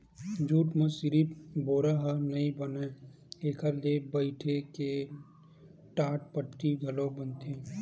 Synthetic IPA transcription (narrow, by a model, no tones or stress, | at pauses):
d͡ʒuːʈmə̃sɪɾiboːɾaɦənɐĩbɐne | eːkʰəɾlebəɪʈʰeke | ʈaːʈ̚pəʈːiɡʱɐlõbənt̪ʰẽː